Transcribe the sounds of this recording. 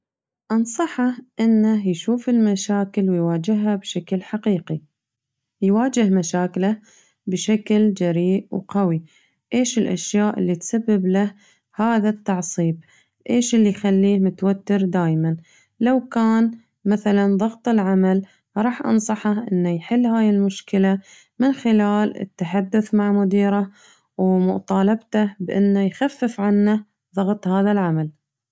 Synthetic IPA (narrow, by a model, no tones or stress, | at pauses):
ʔɑnsˤɑħɑʔɪnːajʃuːfɪlmaʃaːkɪlwɪjwaːd͡ʒɪɦːabʃaklħaqiːqi | jwaːd͡ʒɪhmaʃaːkɪla | bɪʃakld͡ʒaɾiːʔwqawi | ʔeːʃɪlʔa̰ʃjaːʔɪlːit̪sabːɪblah | haːðat̪ːɑʕsˤiːb | ʔeːʃɪlːijxalːiːhmʊt̪wat̪ːɪɾd̪aːjman | lawkaːn | maθalanðˤɑɣt̪ˤɪlʕamal | ɾˤɑːħʔɑ̰nsˤɑħaʔɪnːajħɪlːhaːjɪlmʊʃkɪla | mɪnxɪlaːlɪ̰t̪ːaħad̪ːʊθmaʕmʊd̪iːɾa | wmʊ̰ʔt̪ˤɑːlɑbt̪abʔɪ̰nːajxafːɪfʕanːa | ðˤɑɣt̪ˤhaːðalʕamal